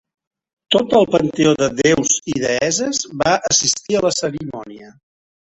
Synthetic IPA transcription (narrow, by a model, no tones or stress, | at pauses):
t̪ot̪əlˠpənt̪eoðəðewziðəɛzəzβaʔəsist̪iələsəɾimɔniə